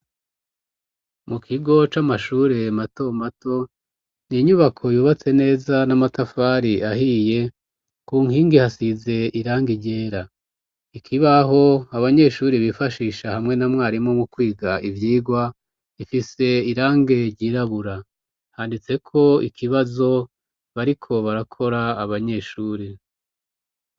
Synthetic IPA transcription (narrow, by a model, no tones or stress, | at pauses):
mukʰiɡo̞t͡ʃamaʃuːɾe̞mato̞mato̞ | niɲuβakʰo̞juːβat͡se̞ne̞ːzanamatafaɾiahije̞ | kuːŋhiːŋɡihasize̞ʔiɾaːŋɡiɟe̞ːɾa | ikʰiβaɦo̞aβaɲe̞ʃuːɾiβifaʃiːʃahamŋe̞namŋaːɾimŋo̞mukwiːɡaivjiːɡwa | ifise̞iɾaːŋɡe̞ɾɟiːɾaβuɾa | haːndit͡se̞kʰo̞ḭkʰiβazo̞ | βaɾikʰo̞βaɾakʰo̞ɾaːβaɲe̞ʃuːɾi